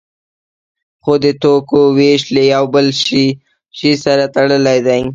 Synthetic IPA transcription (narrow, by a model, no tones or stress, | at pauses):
xod̪ət̪okoweʃlejawbəlʃi | ʃisaɾat̪aɽəlajd̪aj